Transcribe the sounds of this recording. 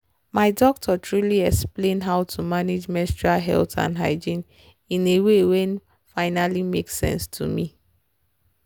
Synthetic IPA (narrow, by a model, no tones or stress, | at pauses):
maɪdɔk̚tʰɔtʰɹuliɛksplẽnɦaʊtʰumaned͡ʒmɛstɹaɦɛ̰ltʰã̰nɦa̰ɪd͡ʒĩn | ĩnewewɛ̃n | faɪnalimeksɛ̰̃nstʰṵmi